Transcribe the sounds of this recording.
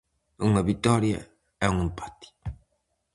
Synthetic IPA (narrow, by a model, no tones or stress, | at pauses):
uŋɐβit̪ɔɾja̰ | ɛuŋempḁt̪i̥